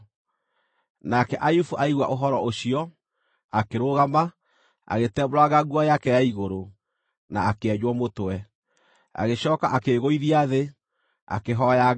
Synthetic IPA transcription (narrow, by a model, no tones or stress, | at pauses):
nakɛʔajufuʔaiɣwa̰ʔoɦɔɾɔoɕiɔ | akeɾoɣama | a̰ɣetɛːboɾaɣaɡwajakɛjaiɣoɾo | na̰akeɛɲwɔmotowɛ | a̰ɣeɕɔːkaʔakeɣoiðiaðe | a̰keɦɔja